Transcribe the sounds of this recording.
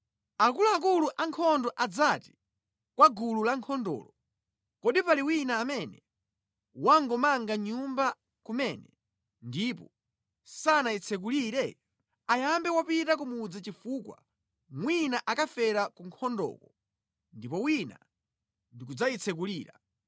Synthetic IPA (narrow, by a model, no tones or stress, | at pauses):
akuluak̬uluʔaŋkʰɔndɔʔad͡zati̥ | kwaɡululaŋkʰɔndɔ̰ːlɔ | kɔɗipaliwinaːmɛnɛ | waŋɡɔmaŋɡaɲumba | kumɛnɛ̰ | ndipɔ | sanait͡sʰɛk̬uliɾɛ | ajambɛwapitakumud͡zat͡ʃifuːkwa̰ | mwinaʔakafɛɾakuŋkʰɔndɔ̰kɔ | ndipɔwina̰ | ndikud͡zait͡sʰɛk̬uliːɾa̰